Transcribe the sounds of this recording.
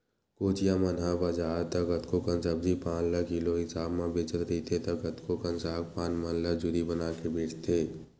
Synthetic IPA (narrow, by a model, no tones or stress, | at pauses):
koːt͡ʃijamənɦabəd͡ʒaːɾt̪əɡət̪kokənsəb̚d͡ʒipãːnləkiːloɦɪsaːbmẽbet͡ʃəɾɾit̪ʰet̪əɡət̪kokənsaːk̚pãːnmənləd͡ʒʊd̪ibənaːkebiːt͡ʃt̪ʰeː